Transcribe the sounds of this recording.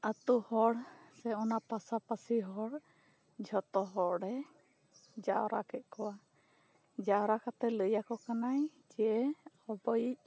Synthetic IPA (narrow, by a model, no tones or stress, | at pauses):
at̪uhɔɽsɛɔnapasapasiɦɔɽ | d͡ʒʱɔt̪ɔɦɔɽɛ | d͡ʒaɔɾa̰kɛt̪̚ˀkɔwa | d͡ʒaɔɾakat̪ɛləjakɔkanaj | d͡ʒɛɛ | ɔbɔjic̚